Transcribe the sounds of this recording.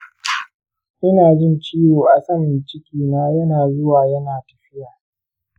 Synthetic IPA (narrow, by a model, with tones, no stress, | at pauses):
ʔɪ˦naː˨d͡ʒɪ˦nt͡ʃiː˦woː˨ʔa˨sɐ˦mɪ˨t͡ʃɪ˦kʲiː˦naː˦jɐ˦naː˨zʊ˦waː˨jɐ˦naː˨tɐ˨ɸɪ˦jaː˨